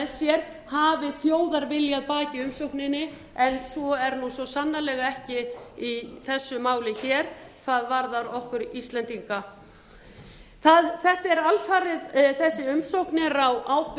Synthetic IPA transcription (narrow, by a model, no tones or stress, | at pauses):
sjɛɾ̥ | haːvɪθjoːwðaɾvɪljaðpaːcɪʏmsowhknɪnːɪ | ɛnsvɔɛɾnusɔsanːalɛːɣaɛhcɪiθɛsːʏmaːwlɪçɛːɾ̥θaðvaɾðaɾɔhkʏɾist̪lɛnt̪iŋka | θaðθɛht̪aɛɾalfaːɾɪðθɛsːɪʏmsowhknɪɾawʔaːwp